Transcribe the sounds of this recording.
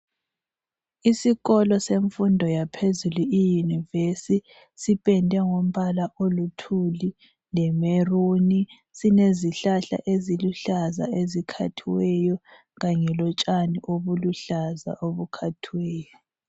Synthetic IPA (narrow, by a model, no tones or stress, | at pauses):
isiɣɔlɔseɱfundʱɔjapʰezuluijunivesi | sipʼɛndʱɛŋom̩βalaʔolutʰuli | lɛmeruni | sineziɬaɬa̰ʔeziluɬaza̰ʔezikʰa̰tʰiwɛjɔ | ɣaɲɛlɔt͡ʃʼaniʔoβuluɬaza̰ʔoβukʰatʰiwɛːjɔ